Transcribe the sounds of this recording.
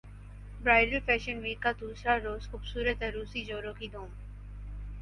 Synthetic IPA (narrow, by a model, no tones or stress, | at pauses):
bɾaːɪɖəlfɛːʃənʋiːkːad̪uːsɾaɾoːzxʊːbsuːɾət̪əɾuːsid͡ʒoːɾõkid̪ʱoːm